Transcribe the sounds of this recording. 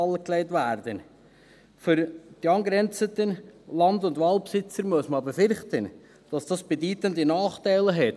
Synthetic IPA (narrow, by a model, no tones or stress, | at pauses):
ɑlːəkleɪtʋæːɾd̥ən | fʏɾd̥iɑnɡɾɛnt͡sətənlɑndʊndʋɑːlpsɪt͡səɾmuəsməɑbəfʏɾχtən | d̥ɑsd̥ɑsb̥ɛdyːtəndənɑːχtæɪləɦɛt